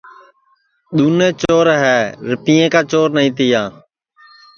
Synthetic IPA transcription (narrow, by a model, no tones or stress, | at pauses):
ɗ̪uːnẽːt͡ʃoːɾɦɛːɾɪpiːẽːkaːt͡ʃoːɾnəɦĩːt̪iːãː